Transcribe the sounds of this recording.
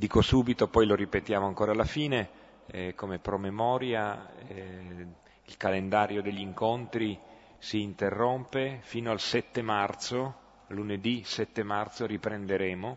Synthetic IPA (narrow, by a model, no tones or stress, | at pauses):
d̪iːkosuːbit̪opɔjloɾipet̪jaːmoaŋkoːɾalːafiːne | komepɾomemɔːɾja | ilkalend̪aːɾjod̪eʎːiŋkont̪ɾi | siːnt̪erːompefiːnoalsɛt̪ːemart̪so | luned̪isɛt̪ːemart̪soɾipɾend̪eɾɛːmo